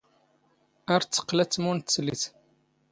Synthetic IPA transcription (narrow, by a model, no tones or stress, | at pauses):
æɾt͡sːə̥qːlæt͡sːmunt̪sliθ